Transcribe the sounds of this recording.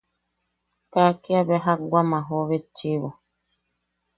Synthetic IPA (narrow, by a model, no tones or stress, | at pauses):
kakiaβɛɦaɡʷamaɦoβet͡ʃiβo